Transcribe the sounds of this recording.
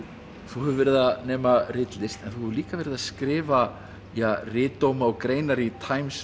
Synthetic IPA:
θuhɛvʏɾvɛɾɪðanɛːmarɪt̪lɪst̪ɛnθuhɛvʏɾliːkavɛɾɪðaskɾɪːva | jarɪːt̪ːowmaɔɣkɾeːjnaɾit̪ʰaːjms

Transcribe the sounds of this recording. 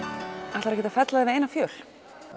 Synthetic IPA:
aht̪aɾɛhcːɪt̪afɛt̪laðɪvɪðejnafjœːl̥

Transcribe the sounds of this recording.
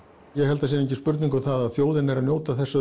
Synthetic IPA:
jɛɣhɛlt̪as̬ineɲcɪspʏɾt̪niŋkʏθaðaðθjoːwðɪnːɛɾanjoːwt̪aθɛsːʏ

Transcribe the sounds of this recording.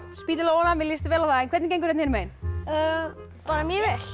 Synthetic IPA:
spiːt̪ɪlaɔːlamɪljist̪vɛːlaθaɛnkʰɛt̪nceːjŋkʏɾɛt̪nheːnmeːjnœː | paːɾamjɛvɛl̥

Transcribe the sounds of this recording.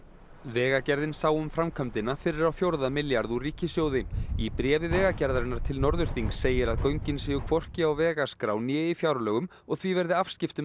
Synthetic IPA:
vɛːɣacɛɾðɪnsaːwʏmfɾamkʰœmt̪ɪnafɪɾɪɾawfjowɾðamɪljaɾðuriːcɪsjoːwðɪipɾɛːvɪvɛːɣacɛɾðaɾɪnːaɾ̥t̪ʰɪlnɔɾðʏɾ̥θiŋsːeːjɪɾaðkœɥɲcɪnsɪːjʏkʰv̥ɔr̥cɪawvɛːɣaskɾa̰wnjɛːɪfjaːwɾlœːɣʏm | ɔɣθvivɛɾðɪafscɪft̪ʏ

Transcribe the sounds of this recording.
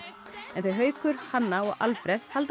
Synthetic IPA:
ɛnθœɥɦœːɥkʏɾ̥hanːaɔɣa̰lfɾɛθhalt̪

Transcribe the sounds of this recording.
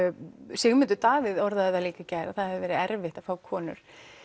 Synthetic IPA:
sɪɣmʏnt̪ʏɾt̪aːvɪðɔɾðaðɛaliːkacajɾaθaðhɛvðɪvɛːɾɪɛɾvɪht̪ḁfaːwkʰɔːnʏ̰ɾ̥

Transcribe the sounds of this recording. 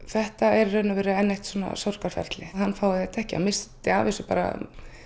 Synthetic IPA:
θɛht̪aɛɾːœːnʏvɛːɾʏɛnːejht̪swɔna̰sɔwr̥kaɾ̥fɛ̰ɾt̪lɪhanːfaːwðɪθɛht̪aɛhcɪa̰mɪstt̪ɪa̰ːvɛsʏpa̰ːɾa̰

